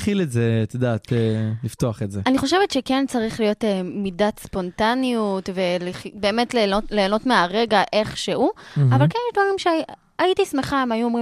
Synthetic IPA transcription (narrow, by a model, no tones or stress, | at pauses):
χiletzet̪edaːtelift̪oaχetzeaniχo̞ʃevetʃekent͡saʁiχlijo̞temidatspo̞ntaniutve̞liχbe̞ːmetleole̞ːno̞tmeaʁe̞ɡaʔe̞χʃehuavalkenjɛʃdvaʁimʃe | aitismeχaemajuomʁi